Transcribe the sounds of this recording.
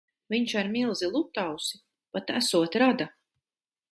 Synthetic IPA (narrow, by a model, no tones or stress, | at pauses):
viɲʃaɾmilˠzilˠut̪ːawsi | pat̪æsuɔt̪ɾad̪a